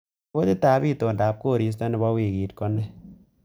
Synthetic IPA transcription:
o˦tɪ˦ta˨˦bi˦to˨nda˨p̚ko˦˨ɾi˨s̬tɔ˦nɪ˨˦bɔ˦wi˨ɡiː˨tkɔ˦nɛ˦

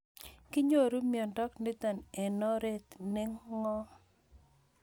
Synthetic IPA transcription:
kɪ˦ɲo˦˨ɾu˦mjɔ˨ndɔ˦kni˦t̪a˨ne˨nɔ˦ɾe˦t̪nɪ˦ŋːɔ˦

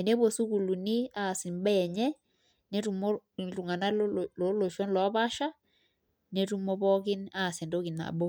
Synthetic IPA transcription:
ɛ˨ne˦βo˨su˦ku˨lu˨ni˦a˦˨si˨m˦bɛ˦˨ɲɛ˦ | ne˦tu˨mo˦˨tu˨ŋa˨na˦llo˨˦lo˨ʃɔ˦nlɔ˨˦pa˦ʃa˦ | ne˦tu˦mo˦pɔ˦ki˦na˦˨se˨ndo˦ki˨na̰˨bo˦

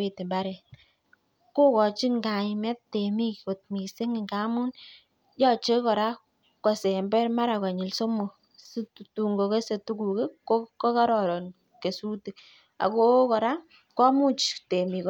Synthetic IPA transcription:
e˨te˨mba˦ɾɛ˨ | ko˦kɔ˨t͡ʃi˦ŋɡa˨imɛ˦ttːe˨mi˦ko˨t̪̚mi˨se˦ŋi˨ŋɡa˨˦mu˦n | jɔ˦t͡ʃe˦kɔ˨ɾa˦ | kwa˨se˨mbɛ˦ɾma˦ɾa˨ka˨ɲi˨lso˦mo˨ | stu˨ŋɡo˨ke˦se˨tu˦ku˨ke˦ko˦kɔ˦ka˦ɾɔ˨ɾɔ˨n | ke˨su˦ti˨k | a̰˨ko˦kɔ˨ɾa˦ | kɔ˦mu˦t͡ʃte˨mi˨k

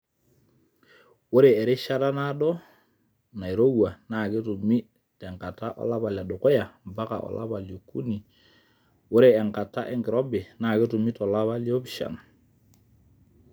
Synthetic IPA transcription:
wo˦ɾe˨ɛ˨ɾɪ˦ʃa˦ta˦na˦ɗɔ˦ | na˨i˨ɾo˦wa˨na˨ke˦tu˨mi˦ | tɛ˨ŋka˨ta˦ʔɔ̰˦la˦pa˨lja˨ɗo˨kɔ˦ja˨mba˦ka̰˨ʔɔ̰˨lʔa̰˦pa˨ljo˨kṵ˦ni˨ | wo˦ɾe˨ɛ˨ŋka˨ta̰˦ʔɛ˦ŋɡɪ˨ɾɔ˦bɪ˨na˨ke˦tʊ˨mi˦tɔ˨la˦βa˦ljɔ˦pʃa̰˨n

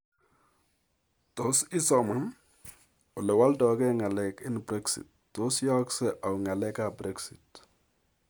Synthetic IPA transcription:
to˨sɪ˦sɔ˨ma˦n | o˨lɛ˨wa˦ltɔ˨kɛ˦ŋa˨lɛ˨kɪ˦nbɾɛ˦ksḭ˨t̚ːo˨˦sjɔ˦ksɛ˦ʔa˨u˨ŋa˨lɛ˦ka˨bɾɛ˦ksi˨t

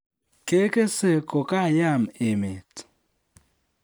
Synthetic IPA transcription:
ke˦ke˦se˦ko˨ka˦˨ja˦˨m˨e˨me˨t

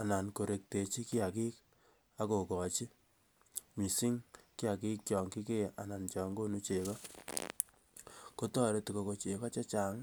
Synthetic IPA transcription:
a˨na˨nko˨ɾe˨k̚te˨t͡ʃi˦kɪ˦a˨ki˦k̚ | a˦ko˨kɔ˨t͡ʃi˦ | mi˨si˦ŋkɪ˦a˨ki˦k̚t͡ʃɔ˨ŋki˦ke˦ʔa˨na˨nt͡ʃɔ˨ŋɡo˦nu˦t͡ʃe˨kɔ˦ | ko˦tɔ˦ɾe˨˦ti˨ko˦ko˨t͡ʃe˨kɔ˦t͡ʃɔ˦t͡ʃa˨ŋ

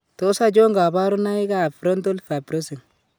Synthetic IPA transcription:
to˦sa˦d͡ʒo˦ŋɡa˨ba˦ɾu˦na˦i˦ɡa˦˨fɾo˦nto˦lfa˨bɾo˦si˨ŋ

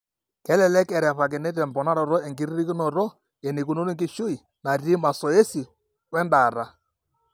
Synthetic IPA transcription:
kɛ˨˦lɛ˨lɛ˦kɛ˨ɾɛ˨pa˨k̬ɛ˨nɛ˦t̬ɛ˨mbɔ˨na˦ɾɔ˨ɾɔ˦e˨ŋɡi˦ɾi˦ɾi˦ki˦nɔ˨ɾɔ˦ | e˨ni˨ku˨no˦ni˦ŋɡɪ˦ʃu˦i˨ | na˨ɾi˦ma˨sɔ˨e˦si˨ | wɛ˦nda˨ɾa˨

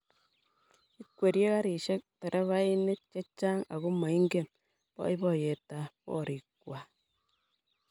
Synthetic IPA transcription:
i˦kwe˨ɾje˦ɣa˦ɾi˨ʃe˦k̚tɛ˨ɾʔa˦βa˦i˦ne˦t̚t͡ʃe˦t͡ʃa˦ŋa̰˨ɣu˦ma˨i˦ŋɡe˦˨m | bɔ̰˦i˦βɔ˦˨je˨ta˨pɔ̰˦˨ɾi˨kwa˨

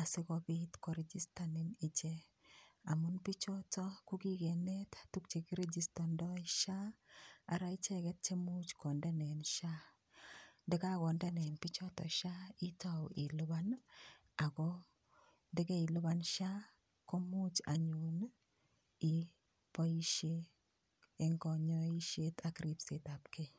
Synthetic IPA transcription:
a˨sɪ˦kɔ˦bi˦tkɔ˨ɾe˦d͡ʒi˦sta˨nɪ˦ni˨t͡ʃe˦ | a˨mʊ˦npi˦t͡ʃɔ˦tɔ˦ku˦ki˦ɡe˨ne˦ttu˦k̚t͡ʃe˨ki˦ɾe˦d͡ʒi˨stɔ˨ndɔ˦jʃa˦a˨ɾa˦i˦t͡ʃe˦kɛ˦t̚t͡ʃe˦mu˦t͡ʃkɔ˨nde˦nɛ˨nʃa˦ | dɪ˦ka˦kɔ˨nda˦nɛ˨npi˦t͡ʃɔ˦tɔ̰˨ʃa˦i˦tawi˨lʊ˦ba˦n | a˨kɔ˦ | dɪ˦ke˦i˨lʊ˦ba˦nʃa˦ | ko˦mu˦t͡ʃa˨ɲu˨n | i˨ | pɔ˦i˦ʃeː | ŋkɔɲɔ˦i˦ʃe˦takɾi˦pse˨ta˨pke

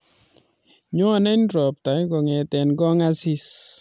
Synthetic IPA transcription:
ɲɔ˦a˨nɛ˦nɾɔ˨p̚ta˨˦ɡɔ˨ŋɛ˨tɛ˨nɡɔ˦ŋa˦si˦s

